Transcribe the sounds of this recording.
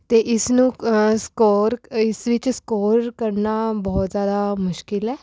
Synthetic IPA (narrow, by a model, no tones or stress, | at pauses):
t̪eːʔɪsnũːskoːɾɪsʋɪt͡ʃskoːɾkəɾnaːbɔːt̪zjaːd̪aːmʊʃkɪlɛː